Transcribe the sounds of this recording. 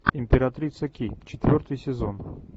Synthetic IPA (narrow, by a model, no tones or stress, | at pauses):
imʲpʲeɾat̪ɾʲit̪səkʲit͡ɕet̪vʲort̪ɨjsʲezon